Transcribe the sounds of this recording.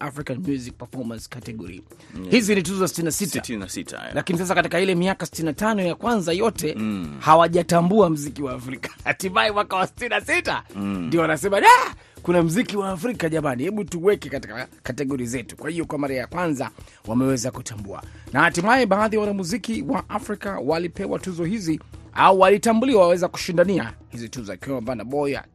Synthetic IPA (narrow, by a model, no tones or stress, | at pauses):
afɾikanmjuzik̚pɛfɔmanskatɛɡɔɾḭ | hizinit̬uzɔzasi̥tininasittlakinis̬asakatikailɛmiakasi̥tininatanɔjakwanzajɔtɛhawaʄatambuam̩zikiwaːfɾikḁhatimaimwakawasi̥tinasita̰ndiɔwanasɛmaɗa | kunam̩zikiwaːfɾikaʄamanihɛɓutuwɛkɛkati̥kakatɛɠɔɾizɛtu̥kwahijɔkwamaɾajakwanzawamɛwɛzakutʰambua̰nahatimaɛɓaːðiawanamuzikiwaʔafɾikawalipɛwa̰tuzɔhizia̰uwalitambuliwawawɛzaku̥ʃindania̰hizituzɔikiwamambanaɓɔja̰